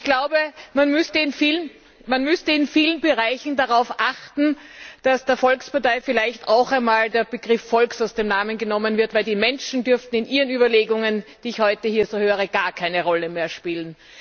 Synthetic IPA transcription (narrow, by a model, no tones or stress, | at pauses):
ɪçɡ̥laʊbəmanmʏstəɪnfiːlən | manmʏstəɪnfiːlənbəʁaɪçn̩d̥aʁaʊfʔaxtn̩d̥asd̥eːɐfɔlkspaɐtaɪfɪlaɪçtaʊxaɪnmaːldeːɐbəɡ̥ʁɪfːɔlksaʊsd̥eːmnaːmənɡənɔmənvɪɐtvæɪldiːmɛnʃn̩dʏɐftn̩ɪnʔiːʁənyːbɐleːɡʊŋənd̥iːɪçhɔʏtəhiːɐzoːhøːʁəɡ̥aːɐkʰaɪnəʁɔləmeːɐʃpiːlən